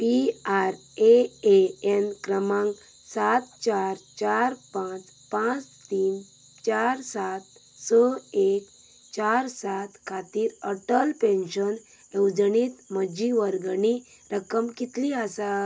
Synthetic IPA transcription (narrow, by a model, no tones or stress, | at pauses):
piaɾ | eeenkɾəmãŋɡ | sat̪̚t͡ɕaɾt͡ɕaɾpãt͡s | pãt͡st̪iːn | t͡ɕaɾsat̪̚ | səek | t͡ɕaɾsat̪kʰat̪iːɾəʈəlpẽnɕən | jewd͡zniːt̪məd͡ʑiʋəɾɡani | ɾəkəmkit̪liasa